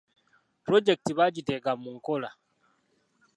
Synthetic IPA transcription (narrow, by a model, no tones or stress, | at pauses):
pɾɔd͡ʒɛk̚tibad͡ʒiteɡamːuŋkɔla